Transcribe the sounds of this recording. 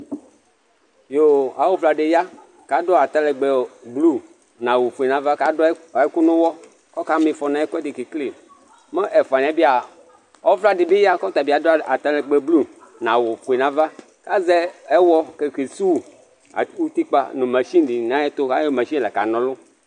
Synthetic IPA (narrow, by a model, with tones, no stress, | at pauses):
jo˦a˨wo˦vla˨ɖe˨ja˦ | ka˨do˦a˨t̪a˦lɛ˨ɡ͡be˨blu˦ | nã˨wo˨fu˨i˨nã˨va˦ka˦dɔ˦˨e˦ku˦nʊ̃˦wɔ˦ | kɔ˦ka˦mĩ˨fɔ˨nã˨ɛ˦kɔ˦ɛ˦di˨ki˨kli˦˨ | mɛ˦ʔɛ˨fa˨n˨ã˨bi˦a˨ | ɔ˦vla˨ɖɪ˨bi˦ja˦kɔ˦t̪a˨bi˨a˨do˦a˨t̪a˦lɛ˨ɡ͡be˨blu˦nã˨wo˨fu˨i˨nã˨˦va˦ | ka˦zɛ˦e˦wɔ˦ke˨ki˨su˦w | a̰˨wu˦t̪i˦k͡pa̰˨nʊ̃˨mẽ˨ʃi˦di˨nã˨˦e˦t̪o˦ka˦jo˦mẽ˨ʃi˦˨lɛ˨ka̰˨nɔ̃˨lʊ˦